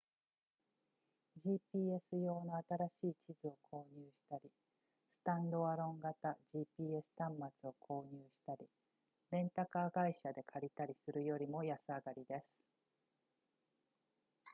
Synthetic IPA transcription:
ʑiːpʲiːesɨjo̞ːnoat̪aɾaɕiːt͡ɕizɨo̞kʰo̞ːɲ̟ɨːɕi̥t̪aɾʲi | sɨ̥t̪ãnd̪o̞βaɾõ̞ŋɡat̪aʑiːpʲiːe̞sɨ̥t̪ãmːat͡sɨo̞kʰo̞ːɲ̟ɨːɕi̥t̪aɾʲi | ɾẽ̞nt̪akaːɡaiɕad̪e̞kʰaɾʲit̪aɾʲisɨɾɯ̟jo̞ɾʲimo̞jasɨaɡaɾʲid̪e̞sɨ̥

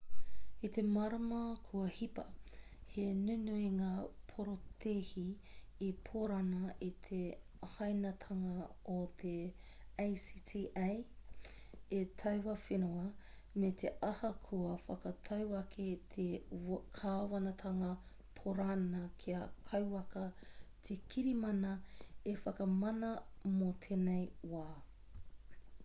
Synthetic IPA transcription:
it̪e̞mɐɾɐmɐkʰuɐhipɐ | henʉnuiŋaːpʰoɾot̪ehiː | pʰoɾɐnɐʔit̪ʰe | hɐjnɐt̪ʰɐŋɐot̪ʰe | ejsitʰiʔaj | etʰɐwwɐfinoɐ | met̪ʰeʔɐhɐkʰuɐfɐkɐtʰɐwɐkʰetʰekʰaːwɐnɐtʰɐŋɐ | pʰoɾanɐkʰiɐkʰɐwɐkɐt̪ʰekʰiɾimɐnɐefɐkɐmɐnɐmotʰenejwaː

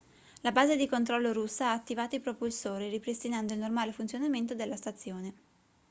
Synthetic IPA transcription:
labaːzed̪ikont̪ɾɔlːoɾusːaaːt̪ːivaːt̪oipɾopulsoːɾiripɾest̪inand̪oilnormaːlefunsjonament̪od̪elːast̪at̪sːjoːne

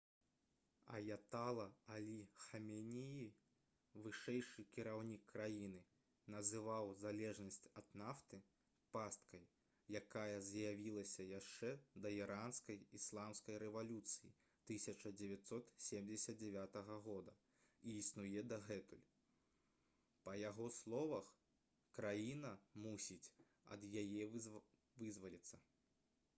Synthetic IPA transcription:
ɐ̰jat̪alˠɐalʲixɐmʲɛnʲiji | vɨʂɛjʂɨkʲiɾawnʲikːɾajinɨ | nɐzɨvawzalʲɛʐnɐsʲt͡sʲɐd̪naft̪ɨ | past̪kɐj | jakajɐzjavʲilˠɐsʲɐjaʂt͡ʂɛd̪ɐiɾanskɐjislˠamskɐjɾɛvalʲut̪sɨji | t̪ɨsʲɐt͡ʂɐd͡zʲɛvʲat̪sɔt̪sʲemd͡zʲɪsʲɐt̪̚d͡zʲɛvʲat̪ɐɣɐɣɔd̪ɐ | iːsnujɛd̪ɐɣɛt̪ulʲ | pɐjaɣɔslˠɔvɐx | kɾajinɐmusʲit͡sʲ | ɐ̰d̪jajɛ | vɨzvɐlʲit̪sːɐ

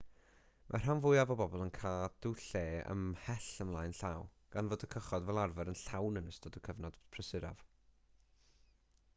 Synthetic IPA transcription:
mʔa̰r̥anvʊɨavɔbɔbɔlˠənkʰaːd̥uɬeːə̰mhɛɬəmlˠaːjnɬaw | ɡ̥anvoːdəkʰəχɔdvɛlˠarvəɾənɬawnənəstɔdəkʰəvnɔd̥pʰrəsɪɾa̰v̥

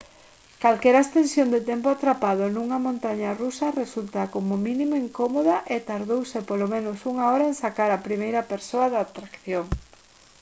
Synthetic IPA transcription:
kalkɛɾest̪ensjond̪ɪt̪empoat̪ɾapað̞ʊnuŋɐmõnt̪aɲarusɐresult̪akomʊmĩnimoiŋkomoðɐʔet̪aɾðowsɪpolomẽnosuŋaɔɾaẽŋsakaɾapɾimejɾɐpeɾsoɐðaat̪ɾakθjoŋ

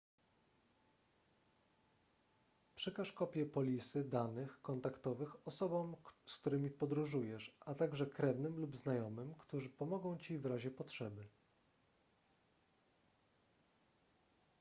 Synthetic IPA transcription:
pʂɘkaʂkɔpʲjɛpɔlʲisɘd̪anɘxkɔnt̪akt̪ɔvɘxɔsɔbɔmskt̪uɾɘmʲipɔd̪ɾuʐujɛʂʔat̪aɡʐɛkɾɛvnɘmlubznajɔmɘmkt̪uʐɘpɔmɔɡɔ̃w̃t͡ɕivɾaʑɛpɔtʂɛbɘ

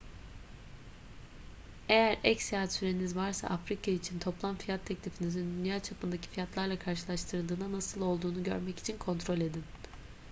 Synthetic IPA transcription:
e̞jæɾɛcsijaːat̪syɾe̞nizvaɾsa̰ʔafɾikʰait͡ʃʰint̪ʰo̞plˠamfijat̪ʰːɛclʲifinizind̪ynjaːt͡ʃʰapɯnd̪acʰi̥fijat̪lˠaɾlˠakʰaɾʃɯlˠaʃt̪ʰɯɾɯlˠd̪ɯːnanasɯlˠo̞lˠd̪uːnuɟø̞̰ɾmɛci̥t͡ʃʰinkʰo̞nt̪ɾo̞lʲe̞d̪in

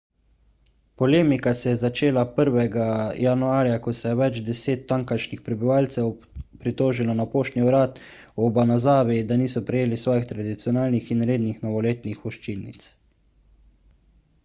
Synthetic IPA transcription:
pɔleːmikasɛjɛzat͡ʃeːlapəɾʋɛɡajanuaːɾjakɔsɛjɛʋɛd͡ʒd̪ɛseːt̪ːaŋkaʃnixpɾɛbiʋaːlt̪sɛw | pɾit̪oːʒilɔnapoːʃt̪niuɾaːt̪ | ɔbanazaːʋid̪aniːsɔpɾɛjeːlisʋɔːjixt̪ɾad̪it̪sijɔnaːlnixinɾeːd̪nixnɔʋɔleːt̪nixpɔʃt͡ʃilnḭt̪s

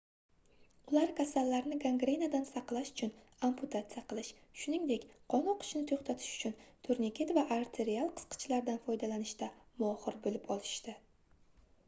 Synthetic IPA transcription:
ʊlaɾkʲʰasalːaɾnɪɡaŋɡɾenad̪ansɑqlˠaʃʊ̥t͡ʃʰʊn | ampʰʊt̪ʰat̪sijaqʰɨlˠɪʃʃʊnɪŋd̪e̞kʲqʰɒnɒqʰʊ̥ʃnɪt̪ʰoχt̪ʰat̪ʰɪ̥ʃʊ̥t͡ʃʰʊnt̪ʰoɾnikʲʰe̞t̪vaʔaɾt̪ʰe̞ɾialˠqʰɨ̥sqʰɨ̥t͡ʃʰlaɾd̪anfɒjd̪alanɪʃt̪amʊɒχɨɾbɪlɪpɒlˠɪʃt̪ɪ

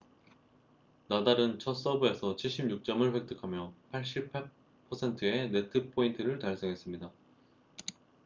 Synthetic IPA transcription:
nadaɾɯnt͡ɕʰʌs͈ʌbɯe̞sʰʌt͡ɕʰiɭɕ͈ibɲuk̚t͡ɕ͈ʌmɯɭɸwe̞k̚t͈ʰɯkʰamjʌpʰaɭɕ͈ipʰa | pʰʌsʰe̞ntʰɯe̞ne̞tʰɯpʰointʰɯɾɯɭtaɭs͈eŋɦe̞s͈ɯmɲida

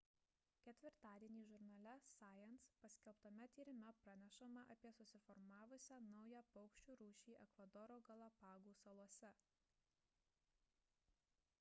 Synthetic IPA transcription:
kʲɛt̪ʲʋʲɪɾt̪ɑːd̪ʲiɛnʲiːʒʊɾnɐlʲɛsɑːjɛnspɐsʲkʲɛlˠpt̪ɐmʲɛt̪ʲiːɾʲɪmʲɛpɾɐnʲɛʃɐmɑʔɐpʲiɛsʊsʲɪfɔɾmɑːʋʊsʲænɒʊjæːpɔʊkʃʲt͡ʃʲuːɾuːʃʲiːʔɛkʋɐd̪ɔɾoːɡɐlˠɐpɑːɡuːsɐlˠuɔsʲɛ

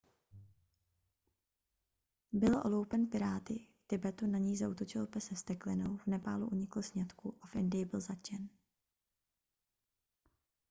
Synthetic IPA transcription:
bɪlʔo̰lowpɛnpɪɾaːt̪ɪft̪ɪbɛt̪unaɲiːzaut̪ot͡ʃɪlpɛsɛst̪ɛklɪnowvnɛpa̰ːluʔuɲɪkl̩sɲɛt̪kuʔafʔɪndɪjɪbɪlzat͡ʃɛn

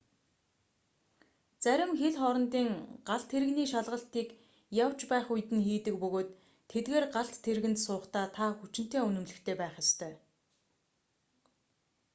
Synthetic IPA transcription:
t͡sæɾʲɪ̆mxeɮχɔɾɞ̆nt̪iːŋɢ̥aɮt̪ʰːeɾɘ̆ɣniːʃaɮʁə̆ɬt̪iːk | jaw̥t͡ɕpæːχujt̪ɘ̆nxiːt̪ɘ̆k̚pɵɣoːt̪ʰː | et̪ɡeːrɢaɬt̪ːʰeɾɣɘ̆nt̪sʊːχt̪aːt̪ʰaxut͡ɕɪ̆n̥t̪eːunɵ̆mɮɵ̆xt̪ʰeːpæːχjast̪ʰœː

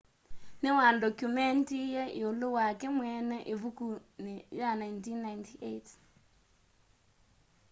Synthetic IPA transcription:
newandɔkjumɛntijɛʔeolowakɛmwɛnɛʔevukunejanajntinːajntiʔet

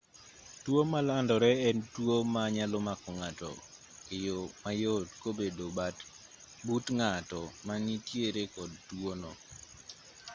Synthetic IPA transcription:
twomalandɔɾɛɛntwomaɲalɔmakɔŋatɔ̰ | kɪjomajotkobedobat | butŋatɔmanitjeɾekɔdtwonɔ

